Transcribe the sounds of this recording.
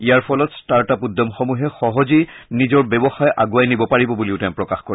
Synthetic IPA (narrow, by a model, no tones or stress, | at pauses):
ijaɹpʰɔlɔtstaɹtapud̪ːɔmxɔmuɦɛxɔɦɔzi | nizɔɹbɛbɔxajʔa̰ɡuajnibɔpaɹibɔbuliʊtɛmpɹɔkaxkɔɹ